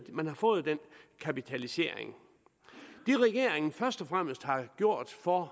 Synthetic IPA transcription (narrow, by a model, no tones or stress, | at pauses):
mænhɑ̈fɔ̽ːð̩ˠd̥en̰kʰæpit͡sʰælise̝̰ɐ̰ḛŋ | d̥iʁɛɡ̥e̝ɐ̰e̝ŋn̩fɶɐsd̥ɒfʁam̰əsd̥hɑ̈ɡ̥jo̝ɐ̰d̥fɒ